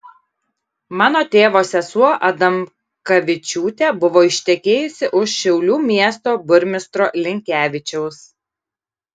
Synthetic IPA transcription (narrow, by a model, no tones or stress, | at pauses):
mɑːnoːt̪ʲeːʋoːsʲɛsuɔʔɐd̪ɐm | kɐʋʲɪt͡ʃʲuːt̪ʲɛːbʊʋoːɪʃʲt̪ʲɛkʲeːjʊsʲɪʔʊʃʃʲɛʊlʲuːmʲiɛst̪oːbʊɾʲmʲɪst̪ɾoːlʲɪŋʲkʲæːʋʲɪt͡ʃʲɛʊs